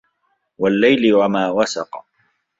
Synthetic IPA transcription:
walːajlɪwamaːwasɑ̰qɑ

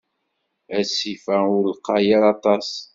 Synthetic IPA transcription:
æsifæʊɾlqɑjaɾɑt̪ˤɑs

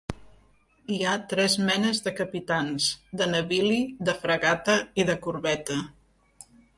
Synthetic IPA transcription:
iat̪ɾɛzmɛnəzðəkəpit̪anzd̪ənəβiliðəfɾəɣat̪əiðəkuɾβɛt̪ə

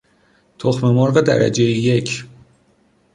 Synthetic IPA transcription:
t̪ʰoχmemɒɾʁed̪æ̰ɾæ̰d͡ʒejijecʰ

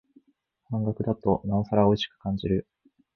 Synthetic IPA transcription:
hãŋɡakɯ̟d̪at̪o̞nao̞saɾao̞iɕi̥kɯ̟̥kãɲ̟d͡ʑiɾɯ̟

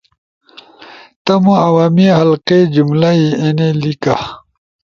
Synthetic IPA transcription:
t̪ɐmuɐwaːmihɐlqed͡ʑumlaienelika

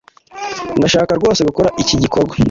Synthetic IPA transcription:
naʃaːkaɾɡwo̞ːseɡukoɾaʔiciɟikoɾɡwa

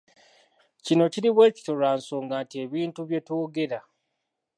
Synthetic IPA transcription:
cino̞ciɾiβwe̞ːci̥to̞ɾaːnso̞ːŋɡaːntie̞βiːntuβje̞to̞ːɡe̞ɾa

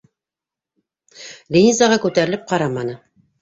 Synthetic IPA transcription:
lʲinʲizɑʁɑkʉt̪æɾɘ̆lɘp̚qɑɾɑmɑnɤ

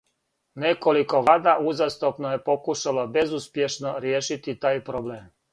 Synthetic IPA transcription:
nekoliko̞ʋaːd̪aʔuzast̪opnoje̞po̞kuʃalabe̞zuspje̞ʃnoɾjeːʃit̪it̪aːjpɾobleːm

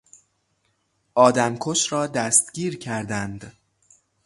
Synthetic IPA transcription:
ʔɒːd̪æmkʰoʃɾɒːd̪æst̪ɡiːɾcʰæɾd̪ænd̪

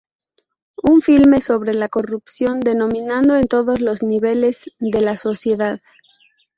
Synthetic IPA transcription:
uɱfilme̞so̞βɾe̞lako̞rupsjo̞nd̪e̞nõ̞mĩnãnd̪o̞e̞nt̪o̞ðo̞zlo̞zniβe̞le̞zðe̞laso̞sje̞ðað

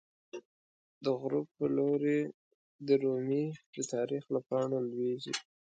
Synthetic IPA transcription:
d̪əɣɾupːəloɾe | d̪əɾomid̪ət̪ɑɾixlapɑɳolwezḭ

